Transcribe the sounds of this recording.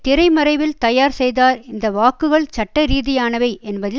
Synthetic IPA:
t̪ɪɾɐɪmɐɾɐɪʋɪlt̪ɐjaːɾsɛjðaːɾɪnd̪ɐʋaːkːɯɣɐɭt͡ʃɐʈːɐɾiːðɪjaːnɐʋɐɪʔɛnbɐðɪ

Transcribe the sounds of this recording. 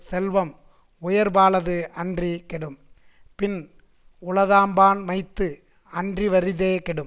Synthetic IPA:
sɛlʋɐm | ʊjɐɾbaːlɐðɯɐndrikɛɽɯm | pɪn | ʊɭɐðaːmbaːnʋɐɪt̪ːɯ | ɐndriʋɐɾɪðeːkɛɽɯm

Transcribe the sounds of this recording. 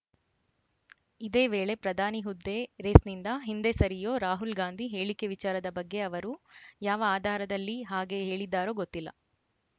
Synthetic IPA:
id̪e̞ːʋeːɭe̞pɾɐd̪ʱaːniɦud̪ːe̞ɾeːsnind̪ɐɦind̪esɐɾijoːɾaːɦulɡaːnd̪ʱiɦe̞ːɭike̞ʋit͡ʃaːɾɐd̪ɐbɐɡːe̞ɐʋɐɾujaːʋɐaːd̪ʱaːɾɐd̪ɐlːiɦaːɡe̞ɦe̞ːɭid̪ːaːɾo̞ːɡot̪ːilːɐ̰

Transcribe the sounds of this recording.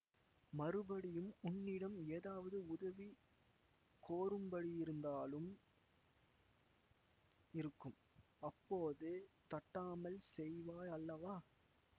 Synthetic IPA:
mɐɾɯbɐɽɪjɯmʊnːɪɽɐmeːðaːʋɐðɯʊðɐʋi | koːɾɯmbɐɽijɪɾɯnd̪aːlɯm | ɪɾɯkːɯm | ɐpːoːðɯt̪ɐʈːaːmɐlsɛjʋaːjɐlːɐʋaː

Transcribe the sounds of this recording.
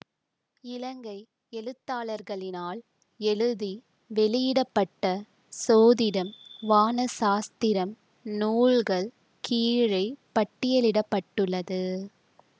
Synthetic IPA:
ɪlɐŋɡɐɪ | ɛɻɯt̪ːaːɭɐɾɣɐɭɪnaːl | ɛɻɯði | ʋɛɭɪjɪɽɐpːɐʈːɐ | soːðɪɽɐmʋaːnɐsaːst̪ɪɾɐm | nuːɭɣɐɭ | kʰiːɻɐɪpɐʈːɪjɐlɪɽɐpːɐʈːɯɭːɐðɯ

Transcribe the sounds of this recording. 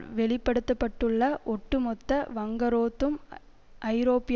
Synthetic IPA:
ʋɛɭɪpːɐɽɯt̪ːɐpːɐʈːɯɭːɐʔɔʈːɯmɔt̪ːɐʋɐŋɡɐɾoːt̪ːɯm | ʔɐɪɾoːpːɪ

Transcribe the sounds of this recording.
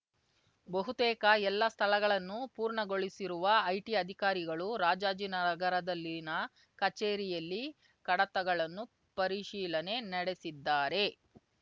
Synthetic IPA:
bɐɦut̪ɛːkɐɛlːɐst̪ʰɐlɐɡɐɭɐnːupuːɾɳɐɡo̞ɭisiɾuʋɐɐjʈiɐd̪ʱikaːɾiɡɐɭuɾaːd͡ʒaːd͡ʒinɐɾɐɡɐɾɐd̪ɐlːinɐ | kɐt͡ʃeːɾijɐlːi | kɐɽɐt̪ɐɡɐɭɐnːu | pɐɾiʃiːlɐne̞nɐɽe̞sid̪ːaːɾe̞

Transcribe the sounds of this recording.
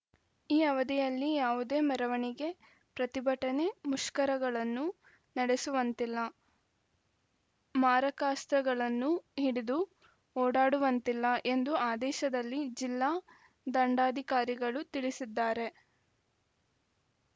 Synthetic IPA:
iːɐʋɐd̪ijɐlːijaːʋud̪e̞ːmɐɾɐʋɐɳiɡe̞ | pɾɐt̪ibɐʈɐne̞muʃkɐɾɐɡɐɭɐnːu | nɐɽe̞suʋɐnt̪ilːɐ | maːɾɐkaːst̪ɾɐɡɐɭɐnːuɦiɽid̪u | oːɽaːɽuʋɐnt̪ilːɐʔe̞nd̪uaːd̪ɛːʃɐd̪ɐlːid͡ʒilːaː | d̪ɐɳɖaːd̪ʱikaːɾiɡɐɭut̪iɭisid̪ːaːɾe̞

